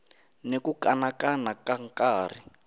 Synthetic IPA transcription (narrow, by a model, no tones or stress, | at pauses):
nekukanakanakaŋ̩kaːr̤i